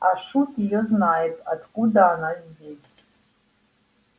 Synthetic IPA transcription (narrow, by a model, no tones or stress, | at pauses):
aʂutʰʼijoznaːjtʼatʰkʷʼudaːnazʲdʲes